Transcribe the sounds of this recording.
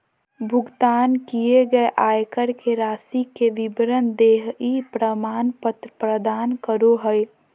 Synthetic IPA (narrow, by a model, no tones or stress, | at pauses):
bʱʊɡt̪aːnkijeɡəeʔaːjkəɾkeɾaːsikeʋɪbɾənd̪eːɦipɾəmaːnpət̪ɾəpɾəd̪aːnkəɾoɦəj